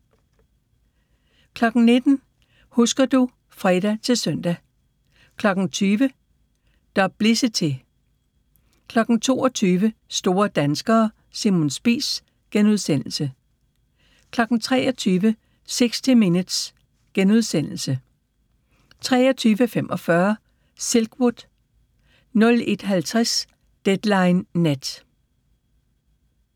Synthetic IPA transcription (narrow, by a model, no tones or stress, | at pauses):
kʰlɒ̽ɡ̥n̩ne̝d̥n̩ | husɡ̥ɐd̥u | fʁɛd̥æt͡sʰe̝lsœn̰d̥æ | kʰlɒ̽ɡ̥n̩t͡sʰyːʋə | d̥ɒb̥̚b̥lesət͡sʰe̝ | kʰlɒ̽ɡ̥n̩t͡sʰo̝ːɒt͡sʰyːʋəsd̥o̝ːɐd̥ænsɡ̥ɐː | simo̝nsb̥ḭːs | ɡ̥enuð̞ˠsen̰l̩sə | kʰlɒ̽ɡ̥n̩t͡sʰʁɛ̰ːɒt͡sʰyːʋə | seɡ̥st͡sʰiminəð̥s | ɡ̥enuð̞ˠsen̰l̩sə | t͡sʰʁɛ̰ːɒt͡sʰyːʋəfem̰ʔɒ̽fɶɐ | selɡ̥wod̥ | nɔ̽le̝d̥ɦælt͡sʰʁɛs | d̥ed̥lɑ̈ɪnːed̥